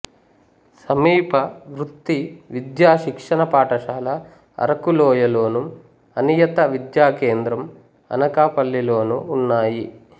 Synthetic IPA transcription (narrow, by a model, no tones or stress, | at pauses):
sɐmiːpɐʋɾut̪ːiʋid̪jaːʃikʂɐnɐpaːʈɐʃaːlɐ | ɐ̰ɾɐkulɔːjɐlo̞ːnu | ɐnijɐt̪ɐʋid̪jaːkeːnd̪ɾɐm | ɐ̰nɐkaːpɐlːilo̞ːnuːnːaːji